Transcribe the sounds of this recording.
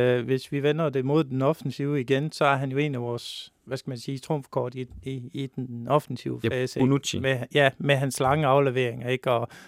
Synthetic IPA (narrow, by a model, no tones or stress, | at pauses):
ʋe̝sʋiʋenɐd̥e̝mo̝ð̞̰ˠd̥enɒ̽fn̩siʊəiɡ̥ensɒ̽æɐɦænjo̝e̝̰ːnæʋɒːsʋæsɡ̥æmænsiːt͡sʰʁomfkʰɒ̰ːd̥iiːd̥enɒ̽fn̩siʊəfɛːsəimejæmeɦænslɑ̈ŋəɑ̈ʊleʋe̝ɐ̰eŋɐe̝ɡ̥ɒ̽